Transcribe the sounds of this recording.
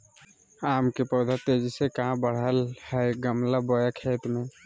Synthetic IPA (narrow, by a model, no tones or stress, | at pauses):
aːmkepɔd̪ʱat̪ed͡ʒisekaɦãbəɽ̤əlhɛɡəmlabɔjakʰeːt̪mẽ